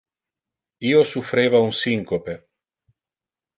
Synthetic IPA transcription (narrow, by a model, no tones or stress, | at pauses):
iːosufɾeːvaunsiŋkope